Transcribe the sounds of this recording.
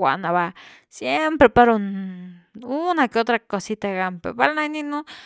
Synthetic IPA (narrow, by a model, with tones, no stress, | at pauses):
wʷa̰˨ʔna˧βa˧ | sje˦mpɾe˨pa˦ɾo˧n | una˧ke˧o˦t̪ɾa˧ko˧si˦t̪a˧ɣa˧mpḛpa˦lna˦jnĩ˦nũ˦